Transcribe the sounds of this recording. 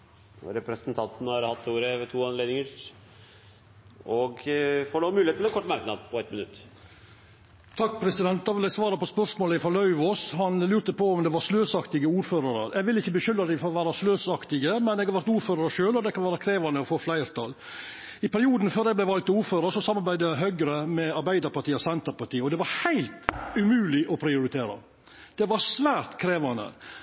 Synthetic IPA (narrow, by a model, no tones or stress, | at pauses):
ɾɛpɾɛsnt̪ʰɑnt̪nhɑɾhɑt̪ːuːɾəʋt̪ʰuːɑnleːd̪ɪŋəɾ | ɔɡfoːɖomʉːlɪet̪ʰːɪlɛnkʰɔʈːmɑɾknɑ̰d̪̚pʰɔɛt̪mɪnʉ̰t̪ː | t̪ʰɑkːpʰɾɛsɪd̪ɛnt̪̚d̪ɑʋɪlæsʋɑːɾɑpɔspœʂmoːlɪfɔlœʉʋɔsɦɑnlʉːɾt̪əpʰɔɔmd̪ɛʋɑɾsløːsɑkt̪ɪɡəuːɾføːɾɑɾəɾʔɛɡʋɪlːɪçːəbəçʏlɾɑd̪ɪfɔɾɔʋæːɾɑsløːsɑkt̪ɪɡəmɛnɛɡhɑɾʋæɾt̪uːɾføːɾɑɾəʃøːlɔd̪ɛkʰɑnʋæːɾɑkʰɾeːʋɑnəɔfoːflæɪɾt̪ʰɑ̰l | ɪpæɾɪuːd̪n̩føːɾdɛblæɪʋɑlk̚t̪uːɾføːɾəʂɔsɑmːɑɾbæɪd̪əæɦœɡɾəmɛɑɾbæɪd̪əɾpɑʈʰiːɔsɛnt̪əɾpɑʈiːɔd̪ɛʋɑɾhæɪlt̪ʉmʉːlɪʔɔpʰɾɪʊɾɪt̪ʰeːɾɑ̰ | d̪̥ɛʋɑɾsʋæːɾt̪kʰɾeːʋɑnə̰